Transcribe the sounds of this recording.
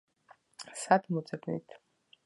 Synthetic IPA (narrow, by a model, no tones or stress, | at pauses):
sad̪mɔzʼɛbnḭt̪ʰ